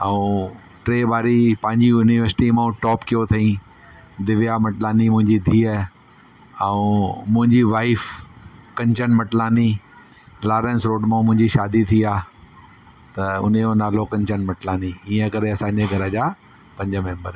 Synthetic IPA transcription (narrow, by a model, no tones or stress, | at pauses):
ɛũ | ʈɾeːbʱaːɾipɐ̃ɦɪ̃ɲd͡ʑijuːniʋəɾsɪ̥ʈimãũʈɔːpkijot̪ʰɐĩ | d̪ɪʋjamɐʈlaːnimʊ̃ɦɪ̃ɲd͡ʑid̪ʱiːə | ɛ̃ũmʊ̃ɦɪ̃ɲd͡ʑiʋaːifkɐ̃ɲt͡ɕənmɐʈlaːni | laːɾẽːnsɾoːɖmãmʊ̃ɦɪ̃ɲd͡ʑiʃaːd̪it̪ʰiaː | t̪ɐʊ̰n̤jonaːlokɐ̃ɲt͡ɕənmɐʈlaːniiːə̃kɐɾeɐsãːɲd͡ʑeɡʱɐɾəd͡ʑaː | pɐ̃ɲd͡ʑəmẽːmbəɾ